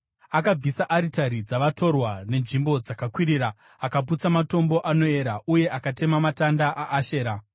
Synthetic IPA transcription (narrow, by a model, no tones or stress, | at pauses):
akab͡visaʔaɾitaɾid͡zaʋato̞rwane̞nʐimbo̞d͡zakakwiɾiɾaː | kap̬ut͡samato̞mbo̞ʔano̞e̞ɾaʔuje̞ʔakate̞mamatandaʔaʔːʃe̞ːɾa